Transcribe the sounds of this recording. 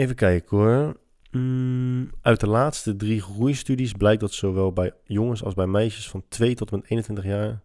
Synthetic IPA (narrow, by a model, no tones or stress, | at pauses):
ejvəkɛjkəkʰʊɹ | ʔœɥt̚dəlaːtstədrixrujstydisblɛjk̚dɑtsowʋɛlˠbɛjjʊŋəsɑ̰lˠzbɛjmɛjʃəsfɑntʰʋejtɔtəmɛtejnəntʋɪntəχjaːɹ